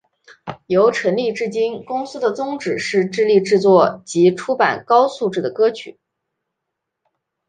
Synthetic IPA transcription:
jo˧˥ʊʈ͡ʂʰə˧˥nli˥˧ʈ͡ʂɻ̩˥˩t͡ɕi˥nkʊ˥ŋsɹ̩˥d̪ə˨t͡sʊ˥ŋʈ͡ʂɻ̩˨˩ʂɻ̩˥˧ʈ͡ʂɻ̩˥˧li˥˧ʈ͡ʂɻ̩˥˧t͡swɔ˥˩t͡ɕi˧˥ʈ͡ʂʰu˥pa̰˨˩nkɑ˥ʊsu˥˧ʈ͡ʂɻ̩˥˩d̪ə˩kɤ˥t͡ɕʰy̰˨˩˦

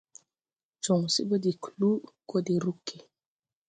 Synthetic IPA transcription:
t͡ʃo˨ŋ˨sḭ˦bo˦di˨klu˦ko˦de˨ɾu˦kʰːe˨

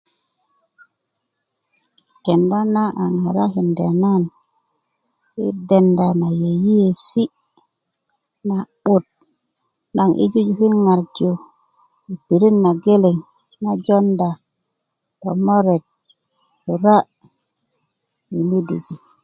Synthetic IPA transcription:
ke˨nda˦na˦ʔa˨ŋa˨ɾa˦hi˨nde˨na˦˨n | ḭ˦de˨nda˨na˨je˨ji˦e˨si˦ | na˨ɓu˨t̚ | na˨ŋʔḭ˦d͡ʒu˦d͡ʒu˨ki˦ŋa˨ɾd͡ʒo˨ | i˨pi˨ɾi˦nːa˨ɡe˦le˨ŋ | na˨d͡ʒo˦nda˨ | to˨mo˦ɾe˨t̚ː | u˨ɾa˦ | ji˨mi˦dḭ˨d͡ʒi˨

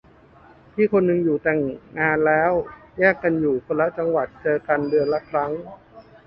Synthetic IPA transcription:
t̪ʰiː˥˩kʰo˧nːɯ˧ŋjuː˨˩t̪ɛ˨˩ŋːaː˧nlɛː˦˥wjɛː˥˩kːa˧njuː˨˩kʰo˧nla˦˥ʔt͡ɕa˧ŋwa˨˩t̪̚t͡ɕɤː˧ka˧ndɯ˧ənla˦˥kʰɾa˦˥ŋ

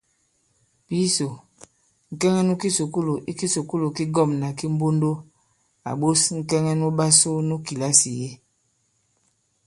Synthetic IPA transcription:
pi˦so˨ | ŋ̩˨kɛ˦ŋɛ˦nu˦ki˦su˨ku˦lo˨ʔi˦ki˦so˨ku˦lo˨ki˦ɡɔ˦˨mna˨ki˦m˦bo˦ndo˦ | a̰˨ɓo˦sŋ̩˨kɛ˦ŋɛ˦nu˦ɓa˦so˦nu˦ki˨la˦si˨je˦

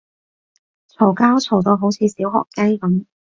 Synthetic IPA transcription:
t͡sʰo˨˩wkaː˥wt͡sʰo˨˩t̪o˨˧wɦo˨˥wt͡sʰiː˨˧siː˨˥wɦɔ̰ː˨kːɐ˥jkɐ˨˥m

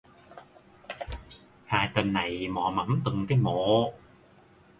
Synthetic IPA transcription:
hʰaː˧˩jt̪ɤ˧˩nːa˨˦jmɔː˨˩˦ma˨˩˦mt̪ɯ˨˧˩ŋka˧˥˩jmɔː˨˧˦

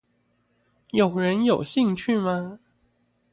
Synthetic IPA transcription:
jo˨˩ʊɻə˨˦njo˨˩ʊɕi˥˧ŋt͡ɕʰy˥˩ma˨

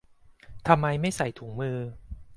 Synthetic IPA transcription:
t̪ʰa˧mːa˧jma˥˩jsa˨˩jt̪ʰuː˩˦ŋmɯː˧

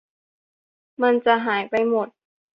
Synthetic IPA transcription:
ma˧nt͡ɕa˨˩ɦaː˩˦jpa˧jmo˨˩t̪̚

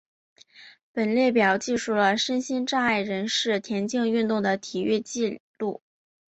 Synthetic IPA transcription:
pə˨˩nljɛ˥˩p̬jɑ˨˩ʊt͡ɕi˥˧ʂu˥˩lə˩ʂə˥nɕi˥nʈ͡ʂa˥˧a˥˩ɪɻə˧˥nʂɻ̩˥˩t̪ʰjɛ˧˥nt͡ɕi˥˧ŋy˥˧nt̪ʊ˥˩ŋd̪ə˩t̪ʰi˨˩y˥˧t͡ɕi˥˧lu˥˩

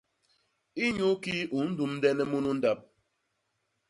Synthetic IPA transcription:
i˦ɲu˦ki˦u˨n̩˦du˦m̩˦dɛ˦nɛ˦mu˦nu˦n̩˦da˦p̚

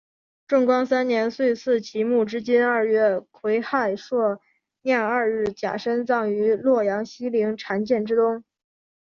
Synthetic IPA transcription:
ʈ͡ʂʊ˥˩ŋkwɑ˥ŋsa˥nnjɛ˧˥nswe˥˧ɪsʰɹ̩˥˩t͡ɕʰi˧˥mu˥˩ʈ͡ʂɻ̩˥t͡ɕɛ˥nɐ˥˧ɥɛ˥˩kʰwe˧˥ɪxa˥˧ɪʂwɔ˥˩ | njɛ˥˧nə˞˥˧ɻɻ̩˥˩t͡ɕja̰˨˩ʂə˥nt͡sɑ˥˩ŋy˧˥lwɔ˥˩jɑ˧˥ŋɕi˥li˧˥ŋʈ͡ʂʰa˧˥nt͡ɕjɛ˥˩nʈ͡ʂɻ̩˥t̪ʊ˥ŋ

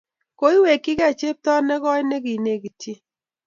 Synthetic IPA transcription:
ko˨˦i˦we˨kːɪ˦ka˦˨t͡ʃe˦p̚tɔ˦nɛ˦kɔ˦nɛ˦ɡi˨ne˦˨ɡi˨tʰi˦

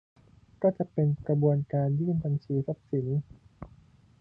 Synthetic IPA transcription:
kɔː˥˩t͡ɕa˨˩pe˧nkɾa˧bu˧ənkaː˧njɯː˥˩nba˧nt͡ɕʰiː˧sa˦˥p̚si˩˦n

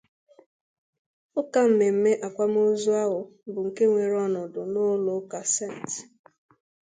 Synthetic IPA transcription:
ʊ˦ka˦m̩˨me˨m̩˨me˦ʔa˨kʷa˦m˦o˦zu˦a˦ɣʊ˨bʊ˨ŋ̩˨ke˦ŋʷe˨ɾɔ˦nʊ˨dʊ˨nʊ˦lʊ˦ka˨sɛ˦˨n˨t

